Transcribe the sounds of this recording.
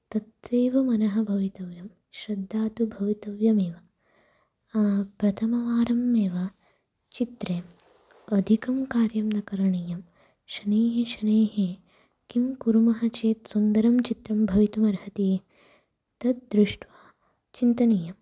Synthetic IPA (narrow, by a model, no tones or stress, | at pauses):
t̪ɐt̪ʋeːʋɐmɐnɐɦɐbʱɐʋit̪ɐʋjɐm | ʃɾɐd̪ʱːaːt̪ubʱɐʋit̪ɐʋjɐmeːʋɐ | aːpɾɐt̪ʰɐmɐʋaːɾɐmːeːʋɐ | t͡ʃit̪ɾeː | ɐd̪ʱikɐmkaːɾjɐmnɐkɐɾɐɳijɐm | ʃɐneːɦeʃɐneːɦe | kimkuɾumɐɦɐt͡ʃeːt̪sund̪ɐɾɐmt͡ʃit̪ɾɐmbʱɐʋit̪umɐɾhɐt̪iː | t̪ɐt̪̚d̪ɾuʂʈʋaː | t͡ʃint̪ɐnijɐm